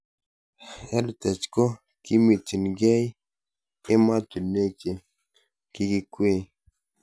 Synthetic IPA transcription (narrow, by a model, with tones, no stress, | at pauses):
ɛ˦ɾtɛ˨t͡ʃko˦ | ki˦mi˨ti˨nɡe˦j | ɪ˦ma˦tu˨ne˦ke˨ | ki˦kɪ˦kwe˦˨